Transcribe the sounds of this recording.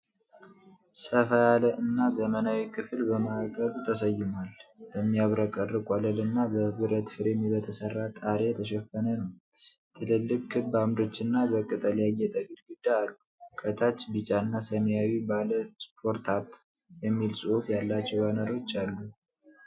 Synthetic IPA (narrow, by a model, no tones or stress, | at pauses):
səfəjaləʔɨnːazəmənawikʰɨfɨlbəməakʼəβut̪ʰəsəjːɪmalbəmːijaβɾəkʼərːɨkʼɔləlɨnːabəβɨɾət̪fɨɾemibət̪ʰəsərːat̪ʼaɾet̪ʰəʃ̬ɛfːənənəw | t̪ʰɨlɨlːɨkʼːʰɨbamɾot͡ʃːɨnːabəkʼːɨt̪ʼəljajɛt̪ʼəɡɨlɡɨd̪ːaːlːukʰət̪ʰat͡ʃːbɨt͡ʃʼaɨnːasəmjawibaləspʰoɾt̪ʰap | jɛmːilsʼuufjalːat͡ʃːɛwbanəɾo̞t͡ʃːalːu